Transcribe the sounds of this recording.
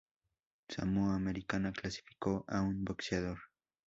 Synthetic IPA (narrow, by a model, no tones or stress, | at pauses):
sa̰muameɾɪkanaklasɪ̥fɪ̥koːʔaunboksjad̪oɾ